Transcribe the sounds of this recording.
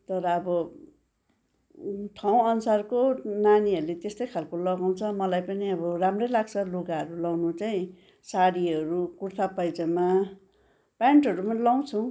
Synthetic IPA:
t̪ʌɾʌːbʌ | ʈʰaw̃ʌnusarkonaniʌɾlet̪est̪ʌjkʰalkolʌɡaw̃t͡sʰʌmʌlajpʌniʌbʌramrʌjlaɡ̚t͡sʰʌluɡaɦʌɾulawnut͡saĩ | saɽiɦʌɾukurt̪ʰapʌjd͡zʌma | pjaɳʈɦʌɾumʌlaw̃t͡sʰũ

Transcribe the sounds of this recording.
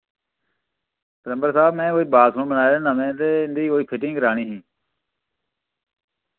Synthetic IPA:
pəɾəmbəɾsaːbmɛ̃ːoːiːbaːsʰõɽbənaːeɾeːnãːmẽːt̪eːɪnd̪iːoːiːpʰɪʈɪ̃ːɡəɾaːɳĩːɦĩː

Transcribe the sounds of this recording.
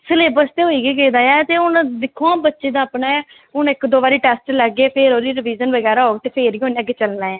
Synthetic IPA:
səleːbəɾst̪eːɦoːiːɡeːkeːd̪aːjɛːt̪eːʊnd̪ɪkʰːoãːbətːʃeːd̪ãːpnaːɛː | ʊnɪkd̪oːbaːɾiːʈɛːsʈlɛɡeːpʰeːɾoːd̪iːɾɪʋiːzənʋəɡɛːɾaːɦoːɡt̪eːpʰeːɾiːɦõːnːəɡet͡ʃəlnaːɛ̃ː

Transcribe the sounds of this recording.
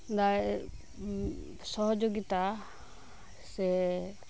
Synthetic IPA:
d̪a | sɔɦɔd͡ʒoɡit̪a | sɛ

